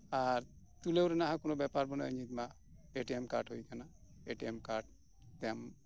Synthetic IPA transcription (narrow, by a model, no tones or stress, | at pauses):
aɾ | t̪ulewɾɛnaɦãkonobɛpaɾbɔnəɲit̪ma | eʈiemkaɾʈɦojkana | eʈiemkaɾʈ̚ | t̪ɛam